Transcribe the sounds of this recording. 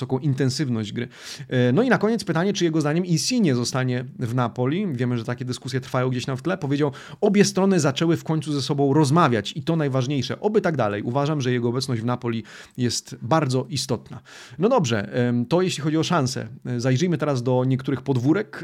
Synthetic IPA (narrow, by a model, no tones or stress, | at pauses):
ɔkɔ̃w̃ʔint̪ɛnsɘvnɔʑd͡ʑɡɾɘnɔinakɔɲɛt̪spɘt̪aɲɛt͡ʂɘjɛɡɔzd̪aɲɛmisʲiɲɛzɔst̪aɲɛvnapɔlʲivʲjɛmɘʐɛt̪akʲɛd̪ɘskusʲjɛt̪ɾfajɔw̃ɡd͡ʑeɕamft̪lɛpɔvjed͡ʑaw | ɔbʲjɛst̪ɾɔnɘzat͡ʂɛwɘfkɔɲt̪suzɛsɔbɔ̃w̃ɾɔzmavʲjat͡ɕit̪ɔnajvaʐɲejʂɛ̰ʔɔbɘt̪aɡd̪a̰lɛ̰juvaʐamʐɛjɛɡɔːbɛtsnɔʑd͡ʑvnapɔlʲijɛst̪baɾd̪zɔʔist̪ɔt̪na̰ | nɔd̪ɔbʐɛ̰t̪ɔjeɕlʲixɔd͡ʑiɔʂansɛ̰zajʐɘjmɘt̪ɛɾazd̪ɔɲɛk̚t̪uɾɘxpɔd̪vuɾɛk